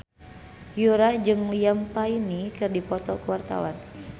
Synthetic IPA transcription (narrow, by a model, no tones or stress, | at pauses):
juɾahd͡ʒɨŋliampainikɨrdipɔt̪ɔkuwart̪a̰wan